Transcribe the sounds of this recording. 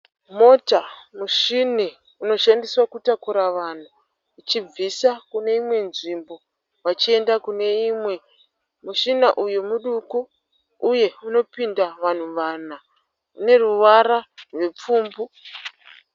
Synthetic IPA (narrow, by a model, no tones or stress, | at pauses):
mo̞tamuʃini | uno̞ʃandiswakutakuɾaʋan̤uː | t͡ʃib͡visakune̞imwe̞nʐimbo̞ | ʋat͡ʃie̞ndakune̞imwe̞ | muʃinaʔujemuɗukuː | je̞uno̞pindaʋan̤uʋana | une̞ruʋaɾarwe̞p͡fuːmbu